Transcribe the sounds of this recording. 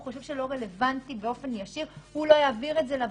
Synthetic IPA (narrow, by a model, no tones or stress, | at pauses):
χoʃe̞vʃe̞lo̞ʁe̞le̞vantibe̞o̞fe̞njaʃiʁhulo̞jaːviʁe̞tzelav